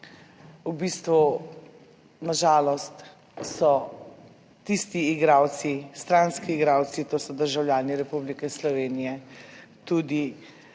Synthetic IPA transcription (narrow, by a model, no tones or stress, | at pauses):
ubist̪ʋu | naʒaːlɔst̪ | sɔ | t̪ist̪iːɡɾaːw̪sist̪ɾanskiːɡɾaːwsit̪oːsɔd̪əɾʒawlʲjaːniɾɛpublikɛslɔʋeːnijɛt̪uːd̪i